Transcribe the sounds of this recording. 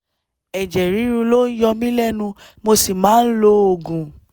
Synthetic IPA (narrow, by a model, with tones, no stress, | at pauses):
ɛ˨d͡ʒɛ˨ɾĩ˨˦ɾũ˧lo˦jɔ˧mĩ˦lɛ˦˨nũ˧ | mo˧si˨mãː˨˦n̩˦lo˧˦o˨ɡũ˨